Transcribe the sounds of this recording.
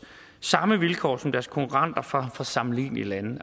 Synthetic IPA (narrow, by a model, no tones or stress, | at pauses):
sɑ̈məʋilkʰɒ̰ːsɒ̽md̥æɐskʰokʰuʁɑ̈n̰d̥ɐfɒfɒ̽sɑ̈mlḭːnilænð̩ˠ